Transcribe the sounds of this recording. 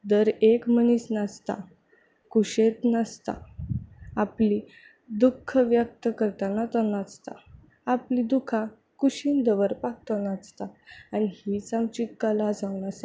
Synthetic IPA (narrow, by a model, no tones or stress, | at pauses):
d̪əɾekməñiːsnast̪a̰ | kuɕet̪nəst̪a̰ | apli | d̪ukʰːəʋjək̚t̪əkəɾt̪anat̪ɔnat͡st̪a̰ | aplid̪ukʰã | kuɕiːnd̪əʋəɾpak̚t̪ɔnat͡st̪aañihit͡samt͡ɕiːkəlad͡zaʋnasa